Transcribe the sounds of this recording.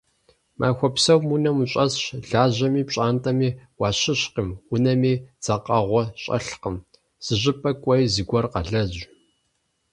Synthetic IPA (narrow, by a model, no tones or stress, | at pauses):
mʔa̰ːxʷɔpsɐwmunɐmuɕʼɐsɕɮaːʑɐmiːpɕʼaːntʼɐmiːwɑːɕɪɕqimʊnɐmiːd͡z̥ɐqɐʁʷɔɕʼɐ̰ɬqəm | z̥ɨʑɪpʼɐkʷʼɐjzɨɡʷɔrqɐɮɐʑ